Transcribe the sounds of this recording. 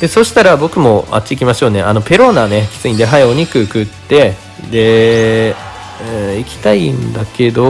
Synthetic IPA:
d̪̥e̞so̞ɕi̥t̪aɾabo̞kɯ̟mo̞a̰t͡ɕːiikʲimaɕo̞ːne̞ʔano̞pe̞ɾo̞naːne̞kʲi̥t͡sɨɲ̟id̪e̞ɦaio̞ɲ̟ikɯ̟kɯ̟t̪ːe̞ | d̪e̞ | ɯ̃ikʲi̥t̪aind̪ake̞d̪o̞

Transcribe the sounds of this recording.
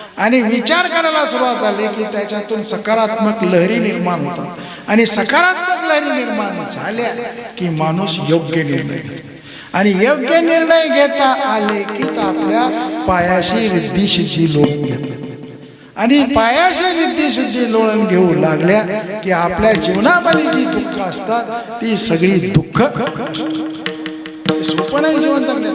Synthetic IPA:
añiʋit͡ɕaɾkəɾalasuɾuʋad̪d͡zalekiːt̪jat͡ɕjat̪uːnsəkaɾat̪məkləɦɾiːniɾmaɳ̃ɦot̪a̰t̪ | añisəkaɾat̪məkləɦɾiːniɾmaɳd͡zʱaljakiːmañuːsjoɡjənḭɾɳə̰jʱett̪ | aɽ̃ijoɡjəniɾɳəjɡʱet̪aʔalekiːt͡sapljapajaɕiɾid̪ʱːiːɕud̪ʱːiːloɭənɡʱet̪la | añipajaɕiɾid̪ːiːɕid̪ʱːiːloɭənɡʱeũlaɡljakiːapljad͡ʑiʋnapəd̪id͡ʑiːd̪ukʰːəəst̪at̪ː | isəɡɭiːd̪ukʰːəəst̪u | t̪esopənãjd͡ʑiʋənt̪ən

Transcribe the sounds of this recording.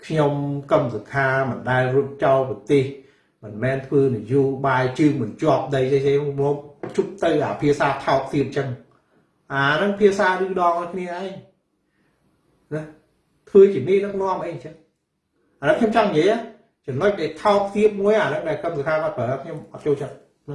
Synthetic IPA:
kʰɲomkəmsukʰaːmɨnɗaɛlruəp̚t͡ɕɑlpɑt̪eːh | mɨnmɛːnt̪ʰʋəːnijoːɓaːjt͡ɕɨːŋmɨnt͡ɕŏəp̚ɗəjesemɔːk̚t͡ɕʰup̚t̪ɨwʔaːpʰiəsaːt̪ʰaɔk̚t̪iəp̚t͡ɕəŋ | ʔaːnɨŋpʰiəsaːɾɨːɗɑːŋɔjkʰniəʔaɛŋ | nah | t̪ʰʋəːt͡ɕiəniːʔɗɨk̚nŏəmʔəjɲt͡ɕəŋ | ʔanɨŋkʰɲomt͡ɕɑŋːijəəjʔaː | t͡ɕɑmnoc̚ɗaɛlt̪ʰaɔk̚t̪iəp̚muəjanɨŋɗaɛlkəmsukʰaːkaːt̪̚pʰəːʔkʰɲomʔɑt̪̚t͡ɕoːlt͡ɕət̪̚ | nah

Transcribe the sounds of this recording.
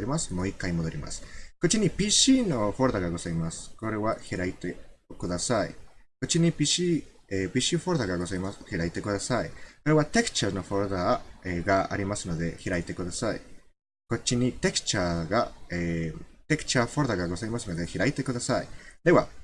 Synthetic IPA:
ɾimasɨ̥mo̞ːikːaimo̞d̪oɾʲima̰sɨ̥ko̞t͡ɕːiɲ̟ipʲiːɕiːno̞ɸoɾɯd̪aɡaɡo̞zaimasɨ̥ko̞ɾe̞βaçiɾait̪eokɯd̪asaiko̞t͡ɕiɲ̟ipʲiɕi | epʲiːɕiɸo̞ɾɯd̪aɡaɡozaimaçiɾait̪e̞kɯ̟d̪asaiko̞ɾe̞βat̪e̞kɯ̥t͡ɕano̞ɸoɾɯ̟d̪aeɡaa̰ɾʲimasɨno̞d̪e̞çiɾait̪e̞kɯd̪asaḭ | ko̞t͡ɕːiɲ̟it̪e̞kɯ̟̥t͡ɕaːɡaet̪e̞kɯ̥t͡ɕaːɸoɾɯd̪aɡaɡo̞zaimasɨno̞d̪e̞çiɾait̪e̞kɯ̟d̪asaid̪e̞βa

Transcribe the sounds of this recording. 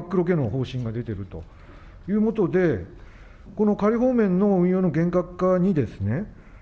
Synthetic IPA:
kːɯ̟ɾo̞k̬e̞no̞ho̞ːɕĩŋɡad̪e̞t̪e̞ɾɯ̟t̪o̞̰ | jɯ̟ːmo̞t̪od̪e̞ | ko̞no̞kaɾʲiɦo̞ːmẽ̞nːo̞ɯ̟̃ɰ̃jo̞ːno̞ɡẽ̞ŋkakːaɲ̟id̪e̞sɨ̥ne̞

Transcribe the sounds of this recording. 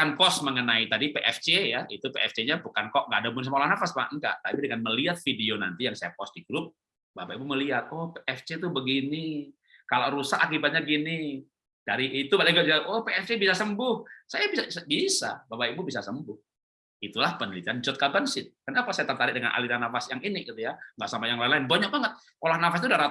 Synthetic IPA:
kanpɔsməŋənait̪adipeʔɛft͡ʃejait̪upeʔɛft͡ʃeɲabukankɔʔŋɡadabʊns̬əmaolahnafasma̰ʔŋɡa̰ʔt̪apidəŋanməliat̪̚fideona̰nt̪ijaŋsajapɔs̚diɡɾʊp̚ | babaibuməliat̪̚ɔhpeʔɛft͡ʃet̪ubəɡini | kaloɾusaʔakibat̪̚ɲaɡini | d̥aɾiːt̪ubalaiɡʊp̚d͡ʒiaʔɔhpeɛft͡ʃebisasəmbʊhsajabisaabisa̰babaibubisasəmbʊh | it̪ulahpənəlit̪iand͡ʒɔt̪̚kabansɪt̪̚karnaːpasajat̪ərt̪aɾɪʔ̚dəŋanʔa̰liɾanafasjaŋinɪɡit̪ujaŋɡaʔsampajaŋlaɪnlaɪnbaɲak̚baŋət̪̚ | olahnafas̬t̪udahɾa

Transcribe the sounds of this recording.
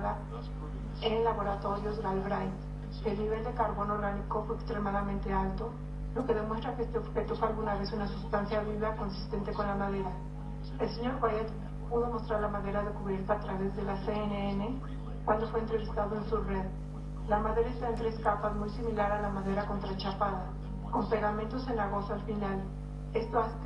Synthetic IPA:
ða | enlaβo̞ɾat̪o̞ɾjo̞zɣalβɾaj | elniβe̞ld̪e̞kaɾβo̞nooɾɣaniko̞fweekst̪ɾemaðamẽnt̪e̞alt̪o̞ | lo̞ke̞ðemwest̪ɾakeest̪eoβxet̪ofwealɣunaβe̞sunasust̪ansjaβiβako̞nsi̥st̪e̞nt̪e̞ko̞nlamaðe̞ɾa | else̞ɲo̞ɾɣwajet̪ | puðo̞mo̞st̪ɾaɾlamaðe̞ɾaðekuβjeɾt̪aːt̪ɾaβe̞zðe̞laseeneene | kwand̪ofwe̞ːnt̪ɾe̞βist̪aðoensureð | lamaðe̞ɾaest̪aent̪ɾeskapazmujsimilaɾalamaðe̞ɾako̞nt̪ɾat͡ʃapaða | ko̞mpeɣamẽnt̪ose̞naɣo̞soalfinal | e̞st̪oas

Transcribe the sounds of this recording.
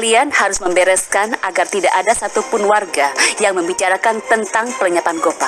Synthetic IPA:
lianhaɾʊsməmbɛɾɛskanaɡart̪idaʔadasat̪upʊnwarɡajaŋməmbit͡ʃaɾakant̪ənt̪aŋpələɲapanɡopa

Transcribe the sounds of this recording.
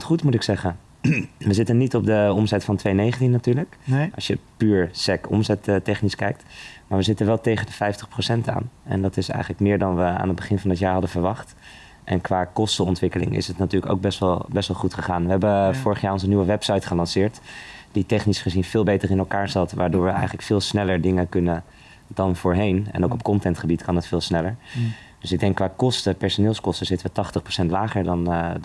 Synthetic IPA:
tχutmutɪksɛχən | ʋəzɪtənitɔb̚dəɔmzɛtfɑntʋejnejχəntinatyːɹləkɑsʃjəpyːɹsɛkɔ̰mzɛttɛχniskɛjk̚tmaːɹʋəzɪtənʋɛlˠtejχəndəfɛjftəχprowsɛnta̰ːnɛ̰ndɑtɪsɛ̰jχənləkmɪːɹdɑnʋəa̰ːnɦəd̚bəχɪnvɑndɑtjaːɹɦɑdəvəɹʋɑχt | ʔɛ̰nkʋaːkɔstəɔntʋɪkəlɪ̰ŋɪ̰sətnatyːɹləko̰wɡ̚bɛstʋɛlˠbɛstʋɑlˠχutχəχaːnʋəɦɛbəvʊːɹəχjaːɹɔnzəniwəʋɛpsɑjtχəlɑnsɪːɹtd̥itɛχnisχəzinvɪːlˠbejtərɪnɛlˠkaːɹzɑtʋaːɹdʊːɹʋəʔɛ̰jχələkfɪːlˠsnɛləɹdɪŋəkɵnən | dɑnvʊːɹɦejnɛ̰nowkɔp̚kɔntɛntχəbitkɑnɦətfɪːlˠsnɛləɹ | dɵsɪɡ̚dɛŋkːʋaːkɔstəpɛɹsonɪːlˠskɔstəzɪtəʋətɑχtəχpro̥sɛntlaːχəɹdɑn

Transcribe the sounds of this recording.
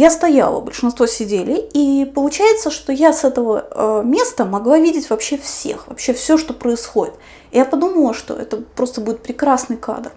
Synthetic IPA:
jast̪ɐja̰lˠə̰bə̰lʲʂɨnst̪vosʲɪdʲelʲɪipəlˠʊt͡ɕæjɪt̪səʂt̪ojasɛt̪əvəəmʲe̞st̪əmɐɡlˠavʲidʲɪtʲvɐpɕefsʲe̞̰xvɐ̰pɕːe̞fsʲoʂt̪o̞pɾəɪsxo̞dʲɪt̪ | ɪjapɐd̪uməlˠəʂt̪o̞̰ʔɛ̰t̪əpɾo̞st̪əbudʲɪt̪pɾʲɪkɾasnɨjka̰d̪r

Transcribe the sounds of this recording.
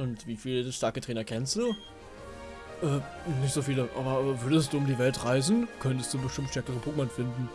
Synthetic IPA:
ʔʊntviːfiːləʃtaɐkətʁ̥ɛːnɐkʰɛnstd̥uː | ʔɛː | nɪçtz̥oːfiːləʔa̰ːbɐʔːvʏɐdəstd̥uːʊmdiːvɛltʁaɪzn̩kʰœntəstd̥uːbəʃtɪmtʃtɛɐkəʁəpʰʁuːɡmanfɪndn̩

